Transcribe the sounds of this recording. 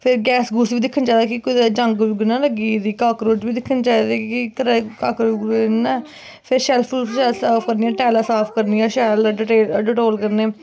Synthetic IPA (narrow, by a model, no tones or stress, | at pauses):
pʰɪɾɡɛːsɡuːsʋiːd̪ɪkʰːənt͡ʃaːiːd̪aːkikoid̪d͡ʒəŋɡɡɪnãːləɡiːd̪iːkaːkɾoːd͡ʒʋiːd̪ɪkʰːənt͡ʃaːiːd̪eːkikəɾekaːkɾoɡnːãː | pʰɪɾʃɛːlpʰuːlʃɛlsaːpʰkəɾniːɛːʈɛːlaːsaːpʰkəɾniːãːʃɛːlɖʈeːɖɪʈoːlkəɾneː